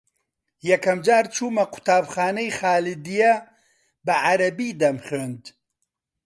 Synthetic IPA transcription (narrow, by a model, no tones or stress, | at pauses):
jɐkʰɐmd͡ʒaːɾt͡ʃʰuːmɐqʰʊ̥t̪aːbxaːnɐjxaːlɨd̪ijɐ | bɐʕaɾɐbiːd̪ɐmχøːnd̪